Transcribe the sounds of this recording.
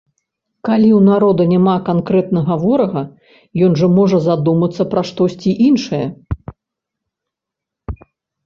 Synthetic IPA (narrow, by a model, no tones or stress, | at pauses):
kalʲiwnaɾɔd̪ɐnʲamakankɾɛt̪nɐɣɐvɔɾɐɣɐ | jɔnʐɐmɔʐɐzad̪umɐt̪sːɐpɾɐʂt̪ɔsʲt͡sʲiʔinʂɐjɐ